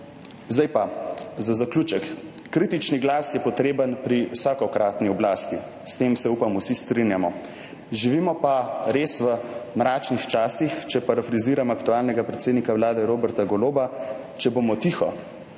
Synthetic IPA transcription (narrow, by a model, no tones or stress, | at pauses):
zd̪ajpazazakluːt͡ʃəkːɾiːt̪it͡ʃniɡlaːsjɛpɔt̪ɾeːbənpɾiwsaːkɔkɾaːt̪niɔblaːst̪i | st̪eːmsɛupamusist̪ɾinjamɔ | ʒiʋimɔpaɾesʋəmɾaːt͡ʃnixt͡ʃaːsixt͡ʃɛpaɾafɾiziːɾamakt̪uaːlnɛɡapɾɛt̪seːd̪nikawlaːd̪ɛɾoːbɛɾt̪aɡɔloːba | t͡ʃɛbomɔt̪ixɔ